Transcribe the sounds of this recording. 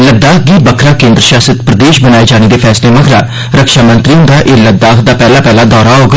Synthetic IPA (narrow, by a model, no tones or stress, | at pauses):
ləd̪ːaːkɡiːbəkʰɾaːkẽːnd̪ɾəʃaːsət̪pɾəd̪eːʃbənaːeːd͡ʒaːɽ̃eːd̪eːpʰɛːsleːməkʰɾaː | ɾəkʃaːmə̃nt̪ɾiõnd̪aːʔeːləd̪aːkʰd̪aːpɛːlaːpɛːlaːd̪ɔːɾaːoːɡ